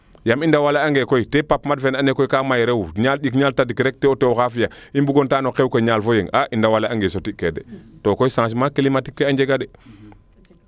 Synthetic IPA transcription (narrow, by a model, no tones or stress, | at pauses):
jamindawalaaŋɡekoitepapmadfenanekojkamajɾewɲalɗik̬ɲaːltadikɾek̚teotewoxafijaimbuɡontaːnokewkoiɲalfojeŋaʔindawalaaŋɡesotikːedḛtokojsãŋs̬makilimatikːeaɲd͡ʒeɡadɛ